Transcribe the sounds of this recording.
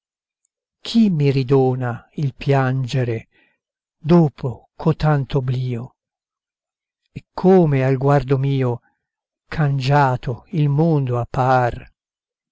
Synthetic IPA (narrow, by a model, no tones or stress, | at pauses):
kʰimːirid̪oːnailpjand͡ʒeɾe | d̪oːpʰokʰot̪ːant̪obliːo | ɛkʰːoːmealɡward̪omiːo | kʰand͡ʒaːt̪ʰoilmond̪oapːar